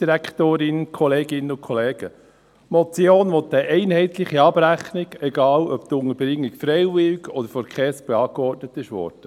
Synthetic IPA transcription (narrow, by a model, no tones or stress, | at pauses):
d̥iɾækχt̪oːɾɪnkʰɔlɛːɡ̥ɪnəʊkʰɔlɛːɡ̥ə | mɔt͡sjoːnʋɔt̪ːəʔɛɪnhɛɪt̪lɪχiɑb̥ræχnɪɡɛɡɑːlœpt̪ʊŋəɾbɾɪŋːikfɾɛɪʋɪlkɔd̥̪əɾfɔɾkχɛːsb̥ɛɑːɡəɔtnət̪ɪʃʋɔ̰ːrd̥ə